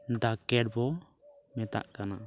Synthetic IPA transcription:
d̪akɛɖ̚bɔ | mɛt̪a̰ʔkana

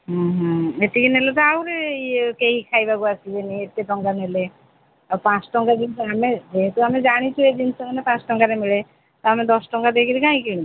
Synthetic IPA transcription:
ɦũɦet̪ikinelet̪̬ɔawɾeiekeɦĩkʰajbaɡuasid͡ʒeniet̪ːeʈɔŋkanele | ɔpãt͡ʃʈɔŋɡad̪inamed͡ʒeɦet̪uamed͡ʒaɽ̃it͡ʃʰued̪insɔmanepãt͡ʃʈɔŋɡaɾemeɭe | t̪ɔamed̪ɔsʈɔŋkad̪ekiɾikãĩkini

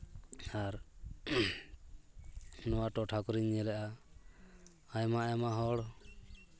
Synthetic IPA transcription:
aɾ | nɔwaʈɔʈʰakɔɾiɲːɛlɛʔa | ajmajamaɦɔɽ

